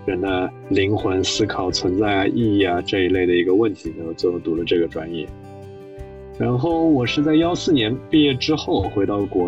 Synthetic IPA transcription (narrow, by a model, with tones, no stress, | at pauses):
ə˧˥nd̪ə˧ | li˧˥ŋxwə˧˥nsɹ̩˥kʰɑ˨˩ʊt͡sʰwə˧˥nt͡sa˥˩ɪɐ˩ʔi˥˧i˥˩ɐ˩ʈ͡ʂɤ˥˧i˧˥le˥˩ɪd̪ə˩i˧˥ɡə˧wə˥˩nt̪ʰi˧˥na˧˥jo˧˩t͡ɕo˥˩t̪u˧˥lə˧ʈ͡ʂɤ˥˩ɡə˩ʈ͡ʂwa̰˧˥njɛ̰˥˩ | ɻa˧˥nxo˥˩ʊwɔ˨˩ʂɻ̩˥˧t͡sa˥˩ɪjɑ˥ʊsɹ̩˥˩njɛ˧˥npi˥˧jɛ˥˩ʈ͡ʂɻ̩˥xo˥˩ʊxwe˧˥ɪt̪ɑ˥˩ʊkwɔ˧˥